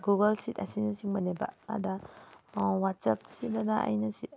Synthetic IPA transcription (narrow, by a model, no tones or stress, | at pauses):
ɡuɡɐlsitɐsinɐsiŋmɐneba̰a̰da | wat̚sap̚sidanaa̰jnɐsi